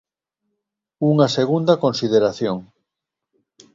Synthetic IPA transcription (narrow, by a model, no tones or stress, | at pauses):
uŋaseɣund̪ɐkonsið̞eɾaθjoŋ